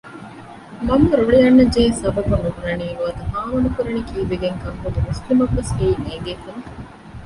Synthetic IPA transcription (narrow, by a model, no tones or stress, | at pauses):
mɐmːɐɾoɭiɐnːɐd͡ʒeːsɐbɐbunuɡunɐniːnuɐd̪ɐɦaːʋɐnukuɾɐnikiːʋeɡeŋkɐŋkud̪umuslimɐʋːeseiːneːd̪eːfunɐ